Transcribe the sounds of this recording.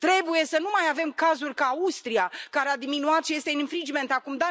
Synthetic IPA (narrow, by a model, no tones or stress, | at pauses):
t̪ɾe̞buje̞sənumajave̞mkazurʲkaust̪ɾiakaɾead̪iminuat̪ʃje̞st̪eɨniɱfɾid͡ʒme̞nt̪akumd̪a